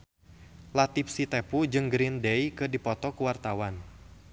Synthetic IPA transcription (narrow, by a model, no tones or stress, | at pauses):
lat̪ifsit̪ɛpud͡ʒɨŋɡɾindɛjkɨdipɔt̪ɔkuwart̪awan